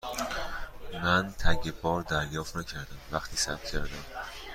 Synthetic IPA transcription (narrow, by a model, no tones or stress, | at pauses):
mænt̪ʰæɟebɒːɾd̪æɾjɒːft̪næcʰæɾd̪æmvæxt̪ʰiːsæ̰p̚t̪cʰæɾd̪æm